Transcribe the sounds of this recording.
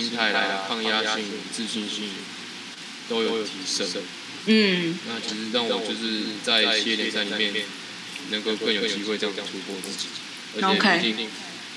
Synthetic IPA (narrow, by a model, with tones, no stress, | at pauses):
i˥ŋt̪ʰa˥˩ɪla̰˧˦ɪpʰɑ˥˧ŋja˥ɕy˥˩ŋ˨˩t͡sɹ̩˥˧ɕi˥˧nɕy˥˩n | t̪o˥ʊjo˨˩ʊt̪ʰi˧˥ʂə˥˩ | n̩˥˩na˥˩t͡ɕʰi˧˥ʂɻ̩˧ɻɑ˥˩ŋwɔ˨˩t͡ɕjo˥˧ʊʂɻ̩˥˧t͡sa˥˧ɪjɛ˥ljɛ˨˩nsa˥˩ɪli˨˩mjɛ˥˩n | nə˧˦ŋko˥˧ʊkə˥˩njo˨˩ʊt͡ɕt͡ɕi˥xwe˥ɪt̪ɑ˧ŋə˨˩ʈ͡ʂʰu˥˧kwɔ˥˧t͡sɹ̩˥˩t͡ɕi̥˨˩˨ | ə˧˥t͡ɕoɛ˨˧˨kʰi˥t͡ɕi˥˧ŋ